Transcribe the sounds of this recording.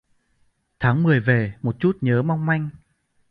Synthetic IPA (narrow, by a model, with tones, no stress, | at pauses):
t̪ʰaː˨˦ŋmɨ˨˩əjve˨˩mo˨˩t̚t͡ɕu˦˥t̚ɲəː˨˦ma˧wŋ͡mma˧jŋ̟